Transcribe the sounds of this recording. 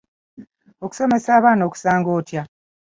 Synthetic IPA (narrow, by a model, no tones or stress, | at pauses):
o̞ku̥so̞me̞saːβaːnoːku̥saːŋɡo̞ːtja